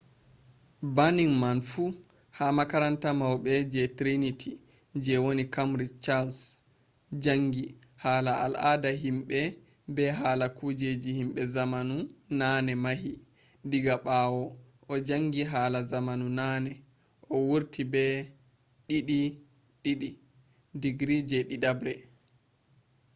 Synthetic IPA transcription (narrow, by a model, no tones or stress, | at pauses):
baniŋmanfu | hamakaɾantamawbɛd͡ʒɛtɾinitʰi | d͡ʒɛwonikamɾit͡ʃals | d͡ʒaŋɡi | haːlaa̰lʔadaɦimɓɛ | bɛɦaːlakud͡ʒed͡ʒihimɓɛzamanunaːnɛmahi | diɡaɓawɔ | ʔɔd͡ʒaŋɡiɦaːlazamanunaːnɛ | ʔɔwuɾtʰibɛ | ɗiɗi | ɗiɗi | diɡɾid͡ʒɛɗiɗabɾɛ